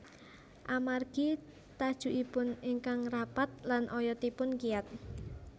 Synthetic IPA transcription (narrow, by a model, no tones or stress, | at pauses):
ʔamarɡ̥i | t̪ad̥ʒ̥ṳʔipʊniŋkaŋrapat̪̚lanʔɔjɔt̪ipʊnkiat̪̚